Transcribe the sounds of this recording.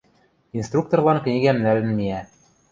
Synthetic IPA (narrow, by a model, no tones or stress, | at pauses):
inst̪rukt̪ŏrlˠɑnkɘ̆niɡæmnælɘ̆nmiæ